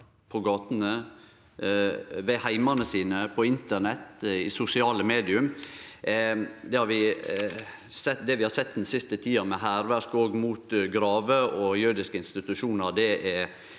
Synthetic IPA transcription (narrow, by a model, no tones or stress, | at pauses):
pʰɔɡɑːt̪ənə | ʋɛhæɪmɑnəsiːnəpʰɔɪnt̪əɳɛt̪ːḭsʊsɪɑːləmeːd̪ɪʉm | d̪ɛhɑɾʋɪ | sɛd̪ɛʋɪhɑɾsɛt̪̚ːd̪ɛnsɪst̪ət̪ʰiːɑmɛɦæːɾʋæɾkoːɡmuːt̪ɡɾɑːʋəʔɔjʉɾd̪ɪskəɪnst̪ɪt̪ʉʂuːnəɾd̪ɛʔɛɾ